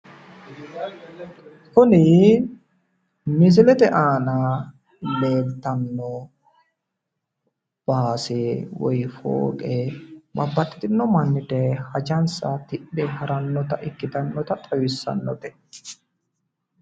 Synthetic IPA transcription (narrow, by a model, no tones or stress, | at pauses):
kʊnɪ | mɪs̬ɪlɛt̪ɛʔaːnɐ | le̞ːlt̪ːɐnːɔ | b̥aːsewɔ̰jfo̰ːkʼɛbɐbːɐt̪ːɪ̥t̪ɪnːɔmɐnːɪd̪ɛhɐd͡ʒɐnsɐt̪ɪɗːɛhɐɾɐnːɔt̪ɐʔɪkːɪt̪ɐnːɔt̪ɐt̪ʼɐwɪsːɐ̰nːɔt̪ɛ